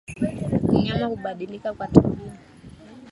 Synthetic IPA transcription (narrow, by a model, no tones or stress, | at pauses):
uɲamahuɓaɗilikakwatuli